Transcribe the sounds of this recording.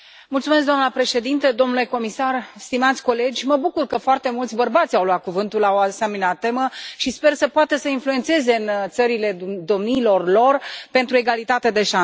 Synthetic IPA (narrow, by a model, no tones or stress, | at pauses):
mult̪sumes̬d̪oanəpɾe̞ʃe̞d̪int̪əd̪o̞mnule̞ko̞misarst̪imat̪sʲko̞le̞d͡ʒʲməbukurkəfoart̪e̞mult̪sʲbərbat̪sʲawlwat̪̚kuvɨnt̪ulaoasemineat̪ːe̞məʃispe̞rsəpoat̪əsəinfluet̪se̞ze̞ɨnt̪səɾile̞d̪o̞mniːlo̞rlo̞rpe̞nt̪ɾue̞ɡalit̪at̪ed̪e̞ʃan